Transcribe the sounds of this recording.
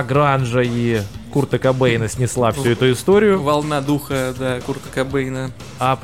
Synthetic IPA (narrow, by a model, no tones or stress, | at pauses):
ɡɾanʐəikurt̪əkɐbɛjnəsʲnʲɪslˠafsʲuɛt̪ʊɪst̪oɾʲɪjʊvɐlˠnad̪uxəd̪akurt̪əkɐbɛjnə | ap